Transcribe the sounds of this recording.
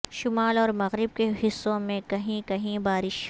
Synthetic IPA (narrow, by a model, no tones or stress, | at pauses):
ʃʊmaːlɔːɾmɐɣɾɪb̚keɦɪsːõmẽkɐɦĩkɐɦĩbaːɾɪʃ